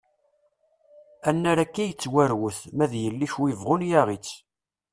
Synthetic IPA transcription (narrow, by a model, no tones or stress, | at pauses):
ænːæɾækːæjət͡sːwæɾwəθmæðjəlːiçwivʁʊnjæʁit͡sː